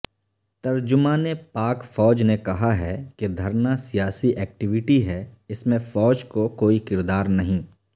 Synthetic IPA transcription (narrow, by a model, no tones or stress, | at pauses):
t̪ɐɾd͡ʒʊmaːnepaːkfɔːd͡ʒnekɐɦaɦɛked̪ʱɐɾnasijaːsiʔɛːk̚ʈɪʋɪʈiɦɛɪsmẽfɔːd͡ʒkokoːikɪɾd̪aːɾnɐɦĩː